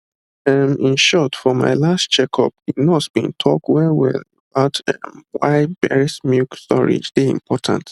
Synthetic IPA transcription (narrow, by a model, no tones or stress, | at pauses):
ɛmĩnʃɔtfɔma̰ɪlastt͡ʃɛkʰɔ̰pinɔsb̥ḭ̃ntʰɔk̚twɛwɛ̰ləbaʊtɛmwaɪbɛɹismjukstɔ̰ɹḭd͡ʒdeḭ̃mpʰɔtʰã̰nt